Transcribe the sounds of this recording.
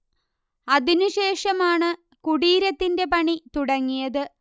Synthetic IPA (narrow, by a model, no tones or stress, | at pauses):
ɐðinuɕe̞ːʂɐmaːɳɨ | kuɽiːɾɐt̪ːinde̞pɐɳit̪uɽɐŋːijɐðɨ